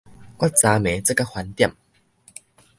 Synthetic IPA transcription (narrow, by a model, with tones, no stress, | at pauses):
kwa˦˥˩t̚t͡sa˧mẽ˨˦t͡sə˦˧kːa˥˧hwa˨˧nt̪ja̰˥˨m